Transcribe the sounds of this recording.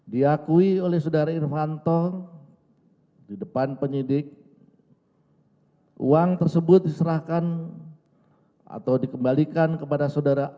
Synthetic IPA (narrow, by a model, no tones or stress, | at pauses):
diakuiolɛhsaodaɾairfant̪ɔ | didəpanpəɲidɪk̚ | ṵaŋt̪ərsəbʊt̪̚disəɾahkan | a̰t̪awdikəmbalikankəpadasawdaɾa